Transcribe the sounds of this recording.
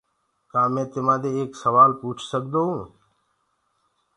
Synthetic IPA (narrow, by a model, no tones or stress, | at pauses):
kãːmẽːt̪ɪmãːd̪eːeːksəʋaːlpuːt͡ʃʰsək̚d̪oːɦũː